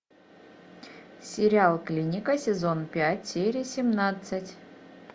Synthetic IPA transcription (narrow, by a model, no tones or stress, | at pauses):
sʲɪɾʲɪalˠklʲinʲɪkəsʲɪzonpʲætʲsʲeɾʲɪsʲɪmnat̪sɨtʲ